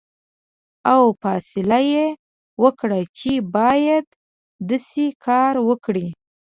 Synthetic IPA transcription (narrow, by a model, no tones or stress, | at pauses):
awfɑsɪlaje | wəkɽat͡ʃebɑjad̪ː | asekʰɑɾwəkɽi